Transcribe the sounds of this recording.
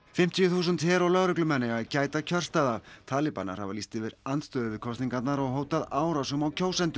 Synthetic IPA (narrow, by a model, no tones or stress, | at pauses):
fɪm̥t̪ʰijʏθuːs̬ʏnt̪hɛːɾawlœɣɾʏklʏmɛnːɪɣacaːjt̪acʰœr̥st̪aðavt̪ʰaːlɪpa̰nːa̰ɾ̥ha̰valist̪ɪvɪɾant̪st̪œðʏvɪɾkʰɔst̪niŋkat̪naɾɔɣɦoːwt̪aðaːwɾasœmawcʰoːwsɛnt̪ʏ